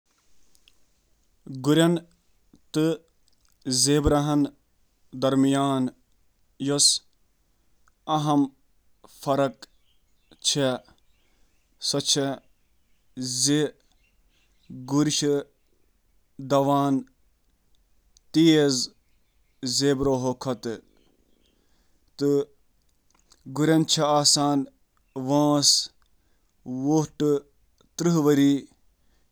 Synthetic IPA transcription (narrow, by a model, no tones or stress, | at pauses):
ɡuɾʲɐn | t̪ɨ | zeːbɾɐɦɐn | d̪ɐɾmijaːn | jos | ɐɦɐm | fɐɾɐk | t͡ʃʰe | sɐt͡ʃʰɐ | ze | ɡuɾiʃ | d̪ɐʋaːn | t̪iːez | zeːbɾoːɦokʰɐt̪ɨ | t̪ɨ | ɡuɾʲɐnt͡ʃʰɐaːsaːn | ʋãːs | ʋoʈɨ | t̪ɾɨɦʋɐɾiː